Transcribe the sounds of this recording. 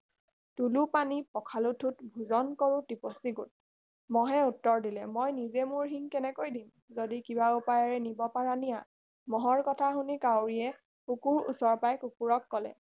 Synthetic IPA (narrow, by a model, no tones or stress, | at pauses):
tulupanipɔkʰalutʰutbʱuzɔnkɔɹutiposiɡut̚ | mɔɦɛutːɔɹdilɛmojnizɛmʊɹɦiŋkɛnɛkojdim | zodikibaupajaɹɛnibɔpaɹanija | mɔɦɔɹkɔtʰaɦunikawɹiɛ | kukuɹṵsɔɹpajkukuɹɔkːɔlɛ̰